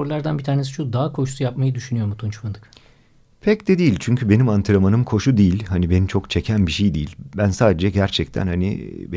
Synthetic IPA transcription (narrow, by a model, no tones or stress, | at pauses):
oɾlˠaɾd̪anbit̪ʰaːne̞s̬iʃud̪aɦakʰo̞ʃusujap̚majɯd̪yʃynyjo̞ɾmut̪ʰunt͡ʃʰfɯnd̪ɯk | pʰɛcd̪ɛd̪ijilʲt͡ʃʰyɲcʰybe̞nimant̪ʰɯɾamanɯmkʰo̞ʃud̪ijilʲhanibe̞nimt͡ʃʰo̞kt͡ʃʰecʰænbiʃejd̪ḭːilʲbænsaːd̪ed͡ʒɛɟæɾt͡ʃʰɛc̚t̪ʰæ̰nhanḭb